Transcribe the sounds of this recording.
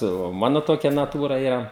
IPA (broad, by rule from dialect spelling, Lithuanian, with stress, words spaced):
tɐɪ oː ˈmɑːnʊ ˈtoːkʲɛ nɐˈtuːrɐ ˈiːrɐ